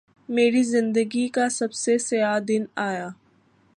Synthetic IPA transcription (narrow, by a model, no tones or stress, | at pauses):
meːɾizɪ̃nd̪əɡikasɐbsesɪaːd̪ɪnaːjaː